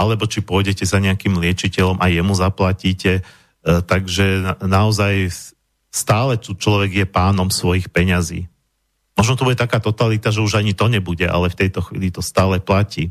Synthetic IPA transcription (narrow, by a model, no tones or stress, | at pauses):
alɛbɔt͡ʃipʊɔjɟɛcɛzaɲɛakimlɪɛt͡ʃicɛʎɔmʔajɛmuzaplaciːcɛ | t̪aɡʒɛnaɔzaj | st̪aːlɛtut͡ʃlɔʋɛɡjɛpaːnɔmsʋɔjixpɛɲazḭː | mɔʒnɔt̪ɔbuɟɛt̪akaːt̪ɔt̪alit̪aʒɛuʒaɲit̪ɔɲɛbuɟɛʔa̰lɛft̪ɛjt̪ɔxʋḭːlit̪ɔst̪aːlɛplaciː